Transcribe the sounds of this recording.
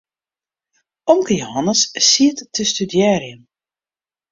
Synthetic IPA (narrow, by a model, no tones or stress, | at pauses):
ɔŋkəjoɦɑnəssiətːəstydjɛːrjəm